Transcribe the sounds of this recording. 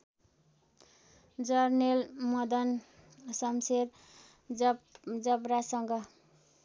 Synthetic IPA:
d͡zʌrnelmʌd̪ʌn | sʌmseɾ | d͡zʌbɾasʌŋɡʌ

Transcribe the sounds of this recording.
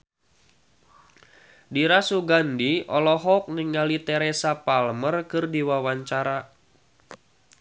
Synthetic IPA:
diɾasuɡandiʔɔlɔɦɔk̚niŋalit̪ɛɾesapalmərkɨrdiwawaɲt͡ʃaɾa

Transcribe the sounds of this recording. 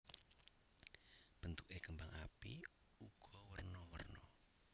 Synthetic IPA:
b̥ənt̪uʔekəmbaŋa̰pḭ | uɡ̥ɔwərnɔwərnɔ

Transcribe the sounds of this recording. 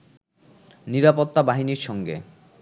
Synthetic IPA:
niɾapot̪ːabaɦiniɾʃɔŋɡḛ

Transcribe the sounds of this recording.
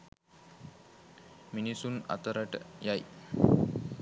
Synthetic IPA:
minisuna̰t̪əɾəʈjaj

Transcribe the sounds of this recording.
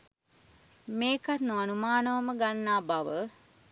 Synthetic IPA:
meːkatnuanumaːnəʋəməɡanːaːbaʋə

